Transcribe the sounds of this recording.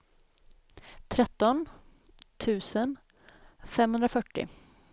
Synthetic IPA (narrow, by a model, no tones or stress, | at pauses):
t̪ʰɾɛt̪ːɔn | t̪ʰʉ̟ːsən | fɛmhɵnd̪ɾafœʈːɪ̰